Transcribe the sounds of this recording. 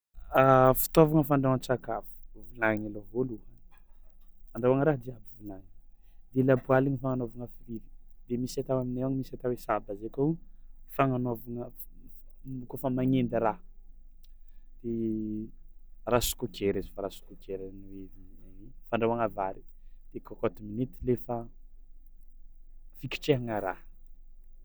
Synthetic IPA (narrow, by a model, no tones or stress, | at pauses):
afi̥t̪ovaŋəfaɳɖ͡ʐawənt͡sakavu̥vulaŋilovoluhə | aɳɖ͡ʐawaŋəɾaɦd̪iabuvulaŋi̥ | d̪̥elabualiɲifaŋanovaŋəfilivi̥d̪̥emisat̪awaminewaɲmisat̪awesabazekowfaŋanovaŋə | kofəmaŋend̪ɾa | d̪̥e | rasu̥kukʰeɾazi̥faɾasu̥kukeɾaniwevineefaɳɖ͡ʐawaŋavaɾi̥d̪̥ekɔkɔt̪iminit̪ilefa | fikʲi̥ʈ͡ʂeɦaŋaɾah